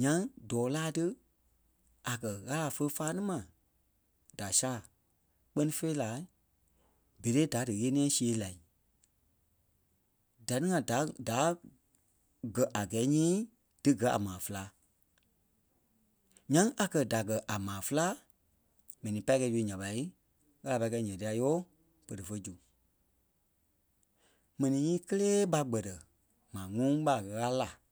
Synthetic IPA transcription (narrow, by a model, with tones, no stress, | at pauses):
ɲã˧˦ŋdɔː˨˦laː˦tɨ˦ | a˨kɜ˨ɣa˦la˨fə˧˦faː˦nĩ˦mã˨ | d̥a˨saː˦˨ | k͡pɜ˦nĩ˦fe˦i˦laː˨˦ | be˨ɾe˦da˨˦dɨ˨ɣeː˦nĩ˦ɛ̃˧˦si˦e˨˦la˨i˨ | da˨nɨ̃˦ŋã˨da˨˦da˨˦ | ɡɜ˨ʔa˨ɡɛː˨˦ɲĩː˦ | d̥ɨ˦ɡɜ˨˦a̰˨mãː˨fə˦laː˧˦ | ɲã˦ŋʔa˨kɜ˧da˨ɡɜ˨ʔa˨mãː˨fɨ˦la˦ | mɛ̃˨nĩ˨˦pa˧˦i˦kɛ˧˦d͡ʒu˧˦ɲã˨ɓa˨˧i˦ | ɣa˦la˧˨pa˧i˦kɛ˧˦ɲɛ̃˨ti˧˦a˧joː˦ | pə˨ɾə˨fə˧˦d͡ʒu˨ | mɛ̃˨nĩ˨˦ɲĩː˦kə˦leː˦ɓa˧ɡ͡bɜ˨tə˨ | mãː˨ŋũ˦ɓa˨ɣə˨˧ɣa˦la˨